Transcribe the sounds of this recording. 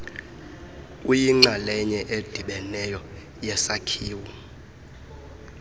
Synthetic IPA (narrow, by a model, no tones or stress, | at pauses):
ujiŋ͡ǁalɛɲɛʔed̥ʱiɓɛnɛjɔ | jɛsakʰiːwu